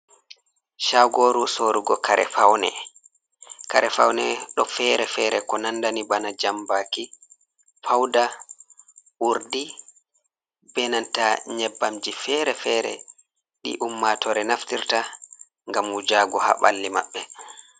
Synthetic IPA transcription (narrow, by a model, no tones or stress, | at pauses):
ʃaɡoːɾusoːɾuɡɔkaɾʔɛ̰fawnɛ̰ | kaɾɛfawnɛɗɔfɛɾɛfɛɾɛkɔnandanibanad͡ʒambaki | fawda | ʔuɾdi | bɛnantaɲɛbːamd͡ʒifɛɾɛfɛɾɛ̰ | ɗḭʔumːatɔɾɛnaftiɾta | ŋɡamud͡ʒaːɡɔha̰ɓa̰lːima̰ɓːɛ